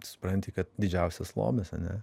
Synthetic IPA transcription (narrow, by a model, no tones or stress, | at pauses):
sʊ̥pɾɐnʲt̪ʲikɐt̪̚d̪ʲɪd͡ʒʲɛʊsʲɛslˠo̰ːmʲɛsɐnʲɛ